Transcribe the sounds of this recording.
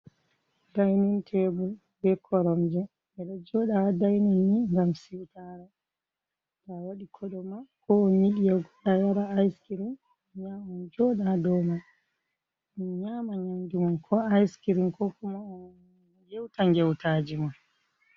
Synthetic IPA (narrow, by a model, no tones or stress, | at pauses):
dajnuntʰɛbu | bɛkʰɔɾɔmd͡ʒɛ | ɛɗɔd͡ʒɔɗadajnɔnːiŋɡamsiwtaɾɛ | tawaɗikʰɔɗɔmakɔɔɲiɗijaɡɔɗajaɾaajskiɾin | ɲamand͡ʒɔɗadɔma | ɲamaɲandumankʰɔajskiɾimkɔkumaɔ | jɛwtaŋɡɛwtaːd͡ʒiman